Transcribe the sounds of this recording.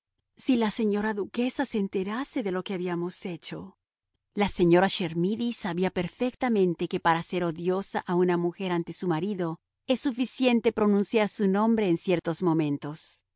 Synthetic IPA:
silase̞ɲo̞ɾaðuke̞saseːnt̪e̞ɾase̞ðe̞lo̞ke̞aβiamo̞se̞t͡ʃo̞ | lase̞ɲo̞ɾaʃe̞ɾmiðisaβiape̞ɾfek̚t̪amẽ̞nt̪e̞ke̞paɾase̞ɾo̞ðjo̞saʔaunamuxe̞ɾant̪e̞sumaɾiðo̞ | e̞sːufisje̞nt̪e̞pɾo̞nũnsjaɾsunõ̞mbɾe̞ːnsje̞ɾt̪o̞zmo̞mẽ̞nt̪o̞s

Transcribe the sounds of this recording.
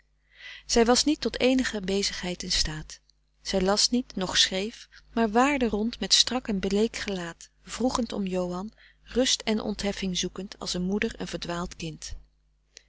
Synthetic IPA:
z̥ɛjʋɑsnitːɔtejnəχəbejzəχɦɛjtɪnstaːt | z̥ɛjlɑsnitnɔχsχrejfmaːɹʋaːɹdərɔntmɛtstrɑkɛnbəlejkχəlaːt | v̥ruχəntɔ̰mjowɦɑn | rʏstɛnʔɔ̰ntɦɛfɪŋzukəntʰɑ̰lˠsənmudəɹə̰nv̥əɹdʋaːlˠtkɪnt

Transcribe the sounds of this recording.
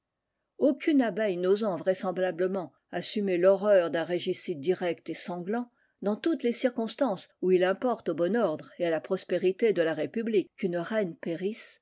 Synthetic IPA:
okʰʲynabɛjnozɑ̃vʁɛsɑ̃blabləmɑ̃ | asymelɔʁœʁd̪ɛ̃ʁeʒisit̪̚d̪iʁɛkt̪esɑ̃ɡlɑ̃ | d̪ɑ̃t̪ut̪lesiʁkɔ̃st̪ɑ̃suilɛ̃pɔʁt̪obɔnɔʁd̪ʁealapχɔspeʁit̪ed̪əlaʁepyblikːynʁɛnpeʁis

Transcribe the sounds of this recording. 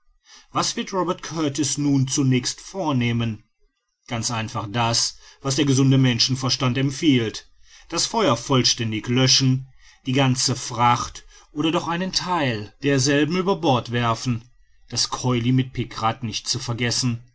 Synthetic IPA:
v̥asv̥ɪɐtʁɔbɛɐtkʰœɐtɪsnuːnt͡sunɛːçstfoːɐneːmən | ɡ̥ant͡sʔaɪnfaχd̥asv̥asd̥eːɐɡəzʊndəmɛnʃn̩fɛɐʃtantɛmfiːlt | d̥asfɔʏɐfɔlʃtɛndɪçlœʃn̩ | d̥iːɡant͡səfʁ̥aχt | ʔoːɾɐdɔχʔaɪnəntʰaɪld̥eːɐzɛlbm̩yːbɐbɔɐtv̥ɛɐfn̩ | d̥askʰɔʏlimɪt̚pʰɪkʁatnɪçt̚t͡sufɛɐɡɛsn̩

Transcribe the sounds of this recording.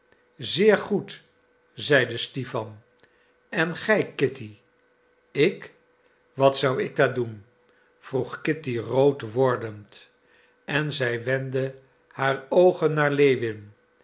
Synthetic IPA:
zɪːɹχut | zɛjdəstifɑn | ɛnχɛjkɪti | ɪk | ʋɑtsʌwɪɡ̚dadun | v̥ruχkɪtirowtʋɔɹdənt | ɛnzɛjʋɛndə | haːɹowχənːaːɹlejʋɪn

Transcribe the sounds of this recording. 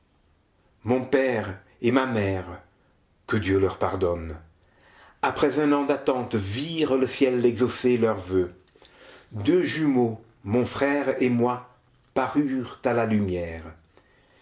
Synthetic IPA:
mɔ̃pɛːʁ | emamɛːʁ | kəd̪jølœʁpaʁd̪ɔn | apχɛzɛ̃nɑ̃d̪at̪ɑ̃t̪viʁləsjɛlɛɡzoselœʁvø | d̪øʒymo | mɔ̃fχɛʁemwa | paʁyːʁt̪alalymjɛːʁ

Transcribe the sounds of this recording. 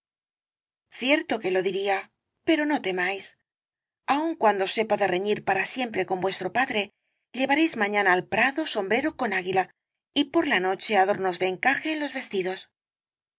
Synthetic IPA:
θje̞ɾt̪o̞ke̞lo̞ðiɾia | pe̞ɾo̞no̞t̪e̞majs | auŋkwand̪o̞se̞paðe̞re̞ɲiɾpaɾasje̞mpɾe̞ko̞mbwe̞st̪ɾo̞paðɾe | ʎe̞βaɾe̞jzmaɲãnaːlpɾaðo̞so̞mbɾe̞ɾo̞ko̞naɣila | ipo̞ɾlano̞t͡ʃe̞aðo̞ɾno̞zðeːŋkaxe̞ːnlo̞zβe̞st̪iðo̞s

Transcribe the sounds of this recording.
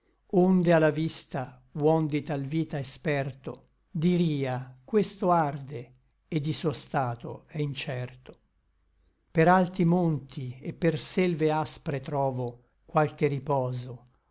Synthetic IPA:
ond̪ealːavist̪a | wɔnd̪it̪alviːt̪aespɛrt̪o | d̪iɾiːakwest̪oard̪e | ed̪ːisuost̪aːt̪o̰ɛint͡ʃɛrt̪o̥ | peɾalt̪imont̪ʰiepːersɛlveaspɾet̪ɾɔːvo | kwalk̟eripɔːzo

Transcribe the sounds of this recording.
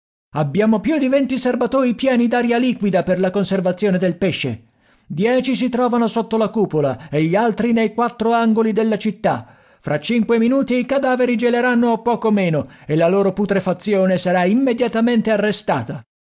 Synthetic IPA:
abːjaːmopjud̪ivɛnt̪iservat̪oːɾipjɛːnid̪aɾjaliːkwid̪aperlakonservat̪sːjoːned̪elpeʃːḛ | d̪jɛːt͡ʃis̬it̪ɾɔːvanosot̪ːolakuːpola̰eʎːialt̪ɾinejkwat̪ːɾoaŋɡolid̪elːat͡ʃit̪ːa | fɾʔat͡ʃːiŋkweminuːt̪iːkad̪aːveɾid͡ʒeleɾanːoapːɔːkomeːnoelːaloːɾoput̪ɾefat̪sːjoːnesaɾaimːed̪jat̪ament̪earːest̪aːt̪a

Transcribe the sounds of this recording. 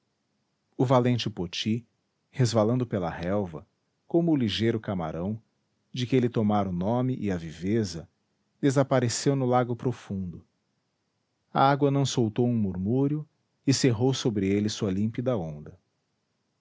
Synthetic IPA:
ʊvalẽnt͡ʃɪpot͡ʃi | hezvalɐ̃nd̪ʊpelɐ̰hɛwvɐ̰ | kõmʊːliʒejɾʊkama̰ɾʔɐ̃w̃ | d͡ʒɪkɪelɪt̪omaɾʊnõmɪʔɪɐvivezɐ | d̪̥ezapaɾesewnʊlaɡʊpɾofũd̪ʊ | ɐ̰aɡwɐnɐ̃w̃sowt̪owũmuɾmuɾjʊ | ɪseɦowsobɾɪelɪsuɐlĩmpid̪ɐõnd̪ɐ

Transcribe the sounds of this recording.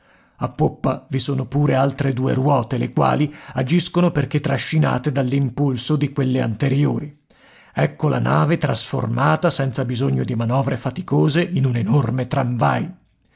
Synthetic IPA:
apːopːavisoːnopuːɾealt̪ɾed̪uːḛrwɔːt̪elekwa̰ːliad͡ʒiskonoperk̟et̪ːɾaʃːina̰ːt̪ed̪alːimpulsod̪ikwelːea̰nt̪eɾjoːɾi | ɛkːola̰naːvet̪ɾasfo̰rmaːt̪asɛnt̪sabizoɲːod̪imanɔːvɾefat̪ikoːzeinunenormet̪ɾaɱvaj

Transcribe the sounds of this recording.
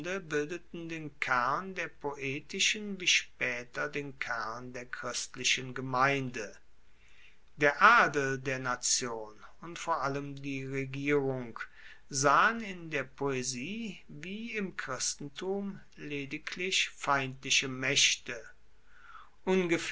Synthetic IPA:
dəbɪldətn̩deːnkʰɛɐndeːɐpʰoʔeːtɪʃənviːʃpɛːtɐdeːnkʰɛɐndeːɐkʁ̥ɪstlɪʃənɡəmaɪndə | d̥eːɐʔaːdl̩deːɐnat͡sjoːnʊntfoːɐʔaləmdiːʁeɡiːʁʊŋk | zaːənɪndeːɐpʰoeziːviːɪmkʁ̥ɪstn̩tʰuːm | leːdɪkʰlɪʃfaɪntlɪʃəmɛʃtə | ʔʊnɡəf

